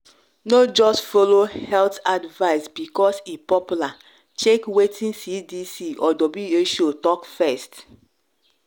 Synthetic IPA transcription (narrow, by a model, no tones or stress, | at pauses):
nod͡ʒɔstfolohɛltadvaɪsbikɔsipɔpula | t͡ʃekwetʰĩnsidisiʔɔdɔbieʃotɔkfɛst